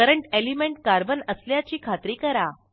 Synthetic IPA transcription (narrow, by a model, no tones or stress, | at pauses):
kəɾəɳʈelimeɳʈ̚kaɾbənəsljat͡ɕiːkʰat̪ɾiːkəɾa